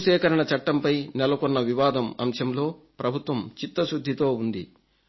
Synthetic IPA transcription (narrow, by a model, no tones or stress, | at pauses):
ʃɛːkɐɾɐɳɐt͡ʃɐʈːɐmpɐjnɛlɐkɔnːɐʋiʋaːd̪ɐmɐ̰mʃɐmlo̞ː | pɾɐbʱut̪ʋɐmt͡ʃit̪ːɐʃɾud̪ʱːit̪o̞ːund̪i